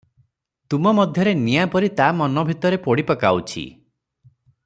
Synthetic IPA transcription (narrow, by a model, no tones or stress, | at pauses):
t̪umɔmɔd̪ʱjɔɾenijapɔɾit̪amɔnɔbʱit̪ɔɾepɔɽipɔkawt͡ʃʰḭ